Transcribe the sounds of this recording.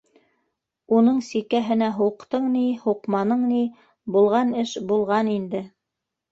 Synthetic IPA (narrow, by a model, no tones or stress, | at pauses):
unɤɴsikæɦɘ̆næɦuqt̪ɤɴnihuqmɑnɤɴni | bulˠʁɑnɘʃbulˠʁɑnind̪ɘ